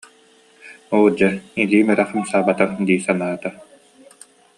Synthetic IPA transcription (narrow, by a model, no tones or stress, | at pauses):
oːd͡ʑɛiliːmɛɾɛχɯmsaːbat̪ad̪iːsanaːt̪a